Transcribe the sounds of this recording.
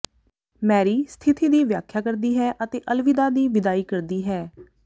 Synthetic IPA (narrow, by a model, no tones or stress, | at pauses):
mɛːɾiːst̪ʰɪt̪iːd̪iːʋjaːkʰjaːkəɾd̪iːɦɛːʔət̪eːʔəlʋɪd̪aːd̪iːʋɪd̪aːiːkəɾd̪iːɦɛː